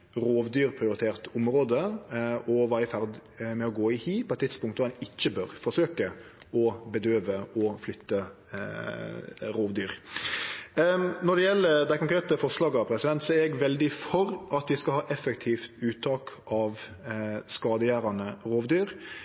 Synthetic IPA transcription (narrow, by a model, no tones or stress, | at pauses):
ɾoːʋd̪yːɾpʰɾɪʊɾɪt̪ʰeːʁt̪ʊmɾoːd̪əʔɔʋɑːɾɪfæɾd̪mɛɔɡoːɪhiːpʰɔɛt̪ʰːɪt̪spʊŋkt̪ːɛnɪçːəbøːɾfɔʂøːkə | ɔbəd̪øːʋəɔflʏt̪ːə | ɾoːʋd̪yːɾ | nɔɖ̪ɛjɛlːəɾd̪æɪkʊŋkʰɾeːt̪əfɔʁslɑːɡəɑʋpʰɾɛsɪd̪ɛnt̪sɔæɾɛɡʋɛld̪ɪfɔɾʔɑt̪ʋɪskɑhɑːʔɛfɛk̚t̪ʰiːft̪ʉːt̪ʰɑːkʔɑʋ | skɑːd̪əjæːɾɑnəɾoːʋd̪yːɾ